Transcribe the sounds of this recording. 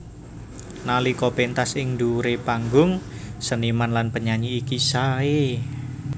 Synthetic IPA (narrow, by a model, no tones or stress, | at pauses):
nalikopent̪asɪŋduɾepaŋɡʊŋsənimanlanpəɲaɲiːkisae